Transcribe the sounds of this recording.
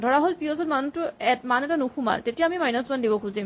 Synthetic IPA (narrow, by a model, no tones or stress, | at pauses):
dʱɔɹaɦolpiɔzɔtmantʊɛtmanɛtanuxʰuma̰ltetijaːmimajnasbandibɔkʰuzim